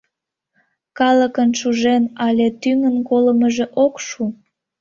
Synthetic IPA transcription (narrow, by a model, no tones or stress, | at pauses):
kɑləkənʃuʒenɑlʲet̪yŋənkoləməʒeʔokʃu